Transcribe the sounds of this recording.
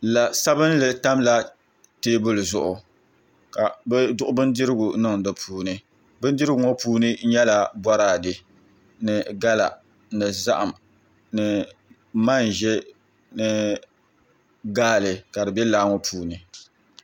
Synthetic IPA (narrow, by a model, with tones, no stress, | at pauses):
la˨sa˦bɨ˦n˦lɨ˨ta˦mla˦ | teː˦bɨ˦lɨ˨zʊ˨ʔʊ˨ | ka˨bɛ˦dʊ˦ʔʊ˦bɨ˦n˦dɪ˦ɾɪ˦ɡʊ˨nɨ˦ŋdɨ˨pʰuː˦nɨ˦ | bɨ˦n˦dɨ˦ɾɨ˦ɡʊ˨ŋɔ˦puː˦nɨ˦ɲɛ˦la˨bɔ˦ɾaː˦˨dɨ˨ | nɨ˨ɡa˦la̰˨ | nɨ˨za˦ʔa˨m | nɨ˨ | ma˦n˨ʒɛ˦ | nɨ˦ | ɡaː˦˨lɨ˨ka˨dɨ˨bɛ˦laː˦ŋɔ˦pʰuː˦nɨ˨